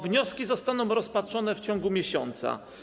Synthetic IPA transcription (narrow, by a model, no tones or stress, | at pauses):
vɲɔskʲizɔst̪anɔ̃w̃ɾɔspatʂɔnɛft͡ɕɔ̃ŋɡumʲjeɕɔ̰nt̪sa̰